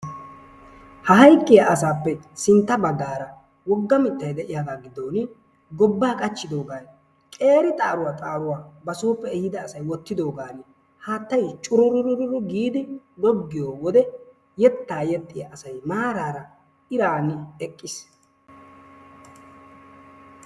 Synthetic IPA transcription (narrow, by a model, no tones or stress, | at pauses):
hɐɦɐjkʼːɪjaʔɐsaːpːɛ | sɪnt̪ːɐbɐɡːaːɾɐ | wɔɡːɐmɪt̪ːɐjd̪ɛʔɪjaːɡaːɡɪd̪o̞ːn | ɡɔbːaːkʼɐt͡ʃːɪd̪o̞ːɡaːn | kʼe̞ːɾɪt̪ʼaːɾʊwaːt̪ʼaːɾʊwaːbɐsoːpːɛɛhɪd̪ɐːsɐjwɔt̪ːɪd̪o̞ːɡaːn | haːt̪ːɐjt͡ʃʼʊɾʊɾʊɾʊɾʊɾʊɡiːd̪ɪd̪ɔɡːɪjo̞ːwɔd̪ɛ | jɛt̪ːaːjɛt̪ːɪjaʔɐsɐjmaːɾaːɾɐ | ɪɾaːnɪɛkʼːɪs